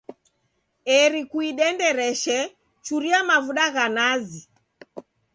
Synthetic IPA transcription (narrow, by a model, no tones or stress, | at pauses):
ɛɾikuiɗɛndɛɾɛʃɛ | t͡ʃuɾiamavuɗaɣanazi